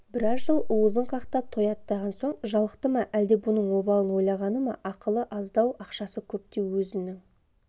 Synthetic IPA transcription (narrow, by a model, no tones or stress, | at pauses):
bɪɾɑzʒəlˠʊwəzəɴqʰɑqt̪ɑp̚t̪ʰo̞jɑt̪ːɑʁɑnso̞ɴʒɑlˠə̥qt̪əmɑʔæld̪e̞bʊnəɴwo̞bɑlˠənwo̞jlˠɑʁɑnəmɑʔɑqəlˠəʔɑzd̪ɑwʔɑqʃɑsəkʲʰɵp̚t̪e̞wɵzɪnnɪŋ